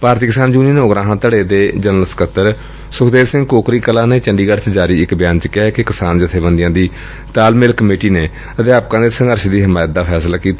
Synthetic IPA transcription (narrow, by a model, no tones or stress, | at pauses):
paːɾt̪iːkɪsaːnd͡ʒuːniːnːʊɡɾãːɦãːt̪əɽeːd̪eːd͡ʒənəlskət̪ːəɾ | sʊkʰd̪eːsɪ̃ŋɡkoːkɾiːkəlaːneːt͡ʃəɳɖiːɡəɖt͡ʃd͡ʒaːɾiːɪkbɪjaːnt͡ʃəkɛɛkekɪsaːnd͡ʒɪt̪ʰːeːbənd̪ɪjãːd̪iː | t̪aːlmɪlkəmeːʈiːneː | əd̪eaːp̚kãːd̪eːsə̃ŋɡəɾʃd̪iːɦɪmaːjt̪̚d̪aːpʰɛːslaːkiːt̪a